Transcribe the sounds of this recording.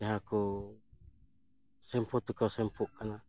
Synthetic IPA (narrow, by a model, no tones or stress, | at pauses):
aɦaku | sɛmpot̪ukasɛmpuʔkana